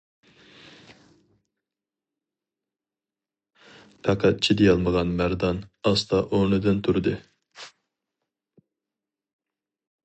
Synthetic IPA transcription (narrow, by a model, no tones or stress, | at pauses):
t̪ʰɑqʰɑt̪̚t͡ʃʰid̪ɛjɑlˠməʁɑnmæɾd̪ɑnɑst̪ɑʔoɾnɨd̪ɨnt̪ʰuɾɨd̪ɨ